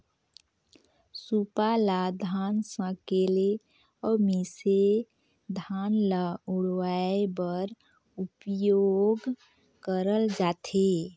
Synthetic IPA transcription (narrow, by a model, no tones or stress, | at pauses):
supalad̪ʱansə̃kele | ɔmise | d̪ʱanlauɽwaebəɾ | upjoɡ | kəɾəld͡ʒaːt̪ʰe